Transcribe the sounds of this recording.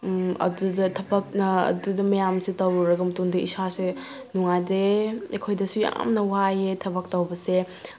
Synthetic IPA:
ɐ̰dudɐtʰɐbɐk̚nɐɐ̰dudɐmɐjamsitɐwɾɐɡɐmɐtuŋdɐisase | nuŋajdeekʰojdɐsuja̰mnɐwajetʰɐbɐk̚tɐwbɐse

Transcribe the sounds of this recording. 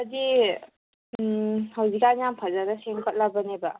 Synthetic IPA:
adi | hawzikaɲampʰazanɐseŋkʰət̚labɐneba

